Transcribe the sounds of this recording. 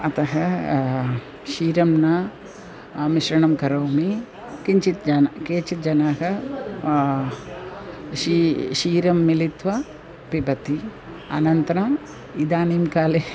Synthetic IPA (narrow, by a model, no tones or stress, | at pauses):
ɐt̪ɐɦɐ | ʃiːɾɐmnɐ | miʃɾɐɳɐmkɐɾɐwmi | kiɲt͡ʃit̪d͡ʒɐnkeːt͡ʃit̪̚d͡ʒɐnaːɦɐ | ʃiʃiːɾɐmːilit̪ʋɐ | pibɐt̪i | a̰ːnɐnt̪ɐɾɐm | id̪aːnimkaːle